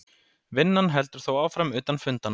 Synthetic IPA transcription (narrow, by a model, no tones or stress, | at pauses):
vɪnːanɦɛlt̪ʏɾ̥θowaːwfɾamʏːt̪anfʏnt̪an